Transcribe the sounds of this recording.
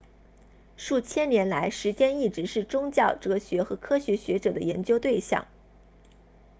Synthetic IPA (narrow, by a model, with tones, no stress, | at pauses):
ʂu˥˩t͡ɕʰjɛ˥njɛ˧˥nla˧˥ɪʂɻ̩˧˥t͡ɕjɛ˥ni˥˩ʈ͡ʂɻ̩˧˥ʂɻ̩˥˩ʈ͡ʂʊ˥ŋt͡ɕjɑ˥˩ʊʈ͡ʂɤ˧˥ɕɥɛ˧˥xɤ˧˥kʰɤ˥ɕɥɛ˧˥ɕɥɛ˧˥ʈ͡ʂɤ˨˩d̪ə˦jɛ˧˥nt͡ɕjo˥ʊt̪we˥˧ɪɕjɑ̰˥˩ŋ